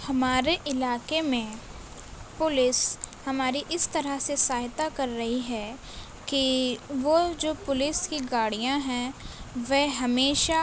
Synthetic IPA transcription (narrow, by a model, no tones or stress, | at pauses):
hɐmaːɾeʔɪlaːkemẽ | pʊlɪshɐmaːɾiʔɪst̪ɐɾəsesaːɦt̪akɐɾːɐɦiɦɛ | kiʋod͡ʒoːpʊlɪskiɡaːɽijãɦɛ̃ʋɛɦɐmeːʃa